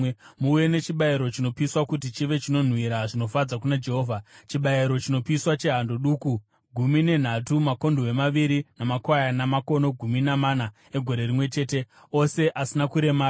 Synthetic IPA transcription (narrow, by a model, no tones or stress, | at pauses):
muuje̞ne̞t͡ʃiɓaiɾo̞t͡ʃino̞piːswakutit͡ʃiʋe̞t͡ʃino̞n̤wiɾaʐino̞fad͡zakunad͡ʒe̞ɦoːvʱat͡ʃiɓaiɾo̞t͡ʃino̞piiswat͡ʃe̞ɦandoɗuːku | ɡʱumine̞n̤atumako̞ndoe̞maʋiɾinamakwajanamako̞no̞ɡʱuminamana | eɡʱo̞ɾe̞rimwe̞t͡ʃe̞ːte̞ | o̞se̞ʔasinakuɾe̞maː